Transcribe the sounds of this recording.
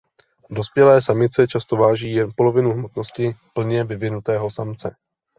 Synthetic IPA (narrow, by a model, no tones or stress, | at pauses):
do̞spjɛlɛːsamɪt̪t͡sɛt͡ʃast̪o̞vaːʒiːjɛnpo̞lo̞vɪnuɦmo̞t̪no̞scɪpl̩ɲɛvɪvɪnut̪ɛːɦo̞samt͡sɛ